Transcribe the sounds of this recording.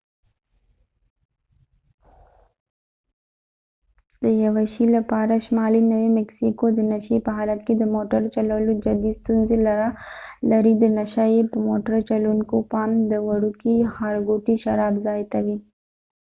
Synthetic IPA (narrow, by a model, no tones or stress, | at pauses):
d̪ɐjɐʋɐʃilɐpaːɾaʃmaːlinɐʋemeksikod̪ɨnɐʃipɐɦaːlɐt̪̚kid̪ɐmoːʈəɾt͡ʃɐlɐːlud͡ʒɐd̪it̪unzilɐɾalɐɾid̪ənɐʃaidmoːʈəɾt͡ʃɐlunkopaːmd̪əʋɐɽukihaːɾɡuːʈ̪iʃɐɾaːbzaːjt̪ɐʋi